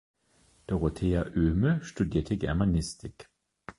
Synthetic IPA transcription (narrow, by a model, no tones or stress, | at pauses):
d̪̥ɔʁot̪ʰeːaʔøːməʃtʉd̪eːtʰəɡæ̰manɪst̪ɪk